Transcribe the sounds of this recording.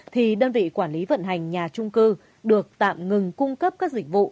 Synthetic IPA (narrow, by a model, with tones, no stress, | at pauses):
t̪ʰi˨˩ɗəː˧nvḭ˧˨kwaː˧˩nli˨˦və̰˧˨nɦa˨˩jŋ̟ɲaː˨˩t͡ɕʊ˧ŋ͡mkɨ˧ | ɗɨ˨˩ək̚t̪a̰ː˧˨mŋɨ˨˩ŋkʊ˧ŋ͡mkə˦˥p̚kaː˦˥k̚zï˧˩k̟̚vṵ˧˨